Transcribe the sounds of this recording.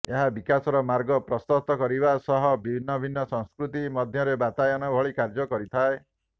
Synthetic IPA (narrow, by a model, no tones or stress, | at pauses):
eɦabikasɔɾɔmaɾɡɔpɾɔst̪ɔt̪ɔkɔɾibasɔɦɔbibʱinːɔbʱinːɔsɔŋskɾut̪imɔd̪ʱjɔɾebat̪ajɔnɔbʱɔɭikaɾd͡ʒɔkɔɾit̪ʰae